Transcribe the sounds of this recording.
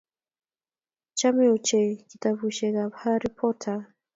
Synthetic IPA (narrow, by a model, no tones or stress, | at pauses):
t͡ʃamiut͡ʃɛkitavuʃɛkabhaɾipʰɔtʰa